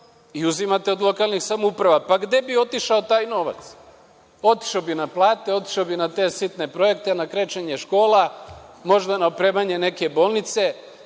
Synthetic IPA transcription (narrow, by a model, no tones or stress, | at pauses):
iuzimat̪eo̞d̪lˠo̞kalnixsamoupɾaʋapaɡd̪e̞bio̞t̪iʃaot̪aːjno̞ʋa̰t̪s | o̞t̪i̥ʃaobinaplˠaːt̪eo̞t̪i̥ʃaobinat̪e̞sit̪ne̞pɾo̞je̞k̚t̪enakɾe̞t͡ʃeɲeʃko̞ːlamo̞ʒd̪anaopɾe̞ːmaɲe̞ne̞ke̞bo̞ːlˠnit̪se̞